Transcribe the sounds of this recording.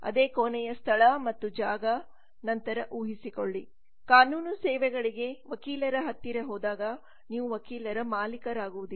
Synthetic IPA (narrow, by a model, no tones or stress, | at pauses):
ɐ̰d̪e̞ːkoːnɛjɐst̪ʰɐɭɐmɐt̪ːud͡ʒaːɡɐ | nɐnt̪ɐɾɐʔuːɦisikoɭːi | kaːnuːnusɛːʋɛɡɐɭiɡe̞ʋɐkiːlɐɾɐɦɐt̪ːiɾɐɦɔːd̪aːɡɐ | niːʋuʋɐkiːlɐɾɐmaːlikɐɾaːɡuʋud̪i